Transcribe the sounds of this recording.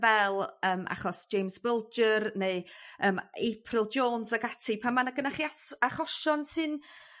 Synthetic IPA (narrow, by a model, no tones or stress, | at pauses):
vɛlˠəːmʔa̰χɔsʒ̥ejmzbɪlˠd͡ʒərneɨəːmepʰrɪlˠd͡ʒoːnsaɡatʰipʰanmanaɡənaχiaaχɔʃɔnsɨn